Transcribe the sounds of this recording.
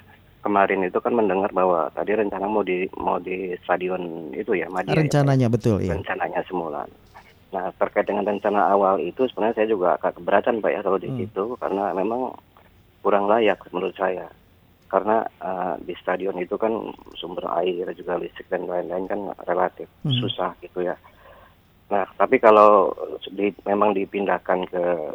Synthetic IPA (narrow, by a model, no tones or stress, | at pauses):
kəmaɾɪnit̪ukanməndəŋarbawa̰t̪adiɾəɲt͡ʃanamawdima̰udist̪adiɔnḭt̪ujamadɾəɲt͡ʃanaɲabət̪ʊlḭjaɾəɲt͡ʃanaɲasəmula̰ | naht̪ərkaɪt̪̚dəŋanrəɲt͡ʃanaːwalit̪usu̥pənɲasajad͡ʒuɡakakəbəɾat̪anpaja̰salodisit̪uka̰rənamemaŋ | kuɾaŋlajak̚məɾʊt̪̚saja | kaɾəna̰əmdist̪adiɔnit̪ukansumbəra̰ɪrd͡ʒuɡalist̪ɪk̚danbandankanrelat̪ɪfsusahɡit̪uja | naht̪apikalodimemaŋdipindahkankə